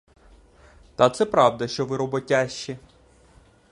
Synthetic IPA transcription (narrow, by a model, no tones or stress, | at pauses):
t̪ɐt̪sɛpɾɑwd̪ɐʃt͡ʃɔʋɪɾɔbɔtʲaʃt͡ʃːi